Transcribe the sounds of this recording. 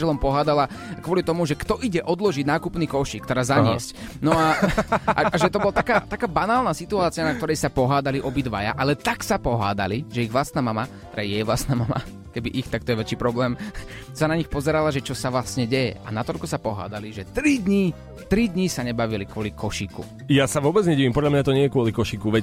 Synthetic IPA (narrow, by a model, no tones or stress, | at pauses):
ɛlɔmpɔɦaːd̪alakʋɔlit̪ɔmuʒɛkt̪ɔʔiɟɛʔɔd̪lɔʒiɟnaːkupniːkɔʃiːkt̪ɛɾaːzaɲɪɛ̰scnɔaʔaaʒɛt̪ɔbɔlat̪akaːt̪akaːbanaːlˠnasit̪uaːt͡sɪanak̚t̪ɔɾɛjsapɔɦaːd̪aliʔɔbid̪ʋa̰ja̰ʔalɛt̪aksapɔɦa̰ːd̪a̰liʒɛiɣʋlast̪naːmama | ɾɛjɛɛʋlast̪naːmama̰ | kɛbiʔixt̪akt̪ɔjɛʋɛt͡ʃiːpɾɔblɛːm | sanaɲixpɔzɛɾalaʒɛt͡ʃɔsaʋlasɲɛɟɛjɛ̰ʔa̰nat̪ɔʎkusapɔɦa̰ːd̪aliʒɛt̪ɾid̪ɲi | t̪ɾid̪ɲisaɲɛbaʋilikʋɔlikɔʃiːkṵ | jasaʋʊɔbɛd͡zɲɛɟiːʋimpɔd̪lamɲat̪ɔɲɪɛjɛkʊɔlikɔʃikuʋɛ